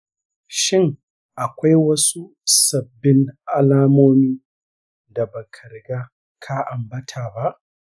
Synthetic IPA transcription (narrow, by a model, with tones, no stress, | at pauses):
ʃɪ˦ŋ | ʔa˨kʷa˦jwɐ˦su˦ | sɐ˨bːɪ˦ŋʔa˦laː˦moː˦miː˦ | da˨bɐ˨kʰɐ˨ɾɡa˦ | kʰa˦ʔa˨mbɐ˦tʰaː˨ba˦ʔ